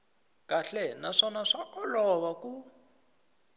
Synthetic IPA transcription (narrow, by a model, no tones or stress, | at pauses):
kʼaɬɛnaʂɔnaʂaʔɔlɔβaku